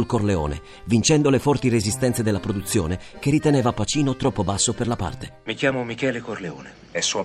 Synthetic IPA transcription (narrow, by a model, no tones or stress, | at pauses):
lkorleo̰ːnḛ | vint͡ʃɛnd̪olefɔrt̪irezist̪ɛnt̪sed̪elːapɾod̪ut̪sːjoːnek̟erit̪eneːvapat͡ʃiːnot̪ɾɔpːobasːoperlapa̰rt̪emik̟jaːmomikɛːlekorleoːne | ɛsːua